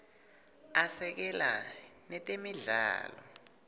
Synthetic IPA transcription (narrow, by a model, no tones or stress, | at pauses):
asɛk̬ɛlanɛtʼemiɮa̰ːlɔ